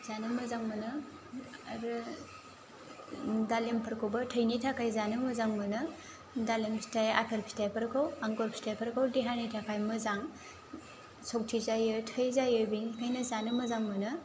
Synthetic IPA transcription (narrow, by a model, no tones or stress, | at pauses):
zanɯmɐzaŋmɯnɯ | ɾɯ | dalempʰɐɾkʰobɐtʰəjnitʰakʰajzanɯmɐzaŋmɯnɯ | dalemstʰaja̰pʰelpʰi̥tʰajpʰɐɾkʰawaŋɡoɾpʰi̥stʰajpʰɐɾkʰawdiɦanitʰakʰajmɯzaŋ | sʰok̚tʰizajɯtʰəjzajɯbinikʰajnɐzanɯmɐzaŋmɯnɯ